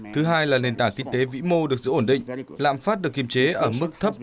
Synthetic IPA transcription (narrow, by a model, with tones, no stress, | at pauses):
t̪ʰɨ˨˦ɦaː˧jlaː˨˩ne˨˩nt̪aː˧˩ŋkï˧ŋ̟t̪e˨˦vḭ˧˥mo˧ɗɨ˨˩ək̚zɨ̰˧˨ʔo˧˩nɗḭ̈˧˨ŋla̰ː˧˨mfaː˦˥t̚ɗɨ˨˩əkːi˨˩mt͡ɕe˨˦ʔəː˧˩mɨ˦˥k̚t̪ʰə˦˥p̚